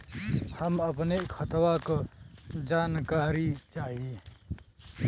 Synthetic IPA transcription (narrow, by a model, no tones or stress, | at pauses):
həməpnekʰət̪wakod͡ʒaːnkaːɾit͡ʃaːɦie